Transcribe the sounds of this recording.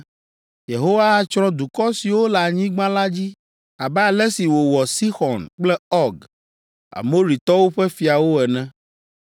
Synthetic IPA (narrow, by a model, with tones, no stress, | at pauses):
je˨ɦo˦wa˦t͡ʃɾɔ̃˦d̪u˨kɔ˦si˨wo˦la˨ɲĩ˦ɡ͡bã˦la˦d͡ʑi˦ | a˨bɛ˦a˨lɛ˦si˨wo˨wɔ˨si˦xɔ˨nk͡plɛ˦ɔ˦ɡ | a̰˨mo˦ɾi˨t̪ɔ˦wo˦ɸɛ˦fi˨a˨wo˦ɛ˨nɛ̃˦